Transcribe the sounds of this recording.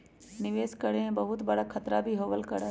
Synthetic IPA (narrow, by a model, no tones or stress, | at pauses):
nɪʋeːskəɽẽbɐɦʊt̪bɐɽakʰɐt̪ɾabʱiɦoːʋəlkəɽ